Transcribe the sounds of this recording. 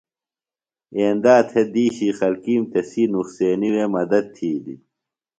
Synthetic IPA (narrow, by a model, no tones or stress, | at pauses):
eːnd̪aːt̪ʰed̪iːɕiːxɐlkiːmt̪esiːnuxseːniweːmɐd̪ɐd̪̚t̪ʰːiːd̪ḭ